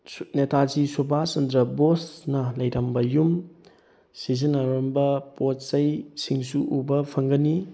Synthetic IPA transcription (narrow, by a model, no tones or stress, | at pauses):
netʰazisubʱasɐndɾɐbosnɐlɐjdɐmbɐjum | sizinɐɾombɐpot̚sɐjsiŋsuʔubɐpʰɐŋɡɐni